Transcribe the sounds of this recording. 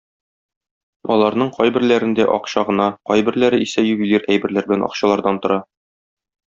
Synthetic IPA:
ɒlˠɑɾnɤɴqɒjbɘ̆ɾlæɾɘ̆nd̪æʔɒqɕɑʁɤ̆nɑqɒjbɘ̆ɾlæɾɘisæjʉbiliɾæjbɘ̆ɾlæɾbɘ̆lænɒ̰qɕɑlˠɑɾd̪ɑnt̪ŏɾɑ

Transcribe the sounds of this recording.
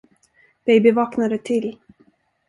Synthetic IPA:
b̥ɛjbɪvɑːknaɾət̪ʰɪl

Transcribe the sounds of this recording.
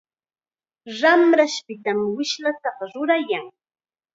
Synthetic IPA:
ɾamɾaʃpɪt̪amwɪʃlat̪ɑqɑɾʊɾajaŋ

